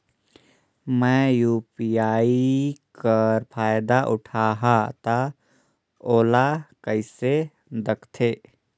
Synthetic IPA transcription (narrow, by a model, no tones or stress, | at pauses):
mɛ̃juːpijaːikəɾpʰaːjd̪aʔʊʈʰaɦat̪a | oːlakəɪse | d̪əkʰt̪ʰe